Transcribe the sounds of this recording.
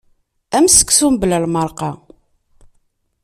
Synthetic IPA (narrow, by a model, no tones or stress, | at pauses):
æmsə̥kːsumbləlməɾˤqɑ